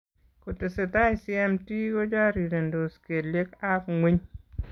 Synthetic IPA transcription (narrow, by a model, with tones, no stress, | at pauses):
ko˨tɪ˨se˨ta˦ɪ˨sɪɛ˦mti˦ɡo˦d͡ʒa˦ɾi˨ɾe˨ndo˨ske˨le˦ka˦kŋwi˦ɲ